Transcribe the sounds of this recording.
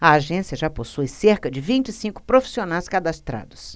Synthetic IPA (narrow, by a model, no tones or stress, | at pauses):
ɐaʒẽsiɐʒaposujseɾkɐd͡ʒɪvĩnt͡ʃɪsĩŋkʊ̥pɾofi̥sionajskad̪ast̪ɾa̰d̪ʊs